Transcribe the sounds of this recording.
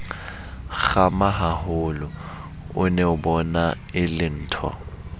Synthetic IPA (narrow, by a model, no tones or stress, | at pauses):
ɣamaɦaɦʊlʊ | ʊnɛʊbɔna | ɪlɪn̩ːtʰwɔ̰